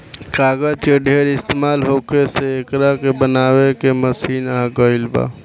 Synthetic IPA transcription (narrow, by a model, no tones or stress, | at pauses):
kaːɡat͡ʃeɖʱeːɾɪst̪eːmaːlɦoːkeseːkɾakebənaːwekeməsiːnaːɡəɪlba̰ː